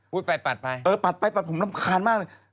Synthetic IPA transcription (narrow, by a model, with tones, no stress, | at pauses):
uː˥˩t̪̚pa˧jpa˨˩t̪̚pa˧jʔɤː˧pa˨˩t̪̚pa˧jpa˨˩t̪̚ʰo˩˦na˥˩mkʰaː˧nmaː˥k̚lɤː˧j